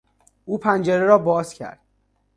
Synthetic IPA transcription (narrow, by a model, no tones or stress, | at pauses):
ʔuːpʰænd͡ʒeɾeɾɒːbɒːzcʰæ̰ɾd̪̥̚